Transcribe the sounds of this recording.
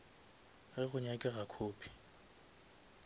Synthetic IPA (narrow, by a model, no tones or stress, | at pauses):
ɣɪɣʊɲakʼɪɣakʰoːpʰi̥